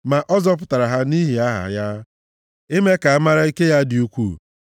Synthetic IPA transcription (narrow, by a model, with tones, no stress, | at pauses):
ma˨ʔɔ˦zɔ˦pʊ˨ta˨ɾa˨ɦa˦ni˦ɦi˨a˦ɦa̰˨ja˦ | ɪ˦me˦ka˨a˦ma˦ɾa˦i˦ke˦ja˦dɪ˨u˦kʷu˦˨